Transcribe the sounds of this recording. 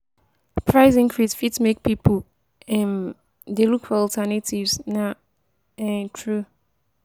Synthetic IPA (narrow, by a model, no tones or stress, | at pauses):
pʰɹaɪzĩŋkʰɹizfitsmek̚pʰipəl | ɛ̃n | delukfɔɔltʰɛnətivzna | ɛtʰɹu